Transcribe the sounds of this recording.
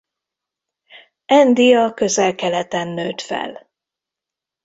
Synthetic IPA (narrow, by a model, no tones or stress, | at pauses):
ɛnd̪ijɒkø̞zɛlkɛlɛt̪ɛnːøːt̪fɛ̰l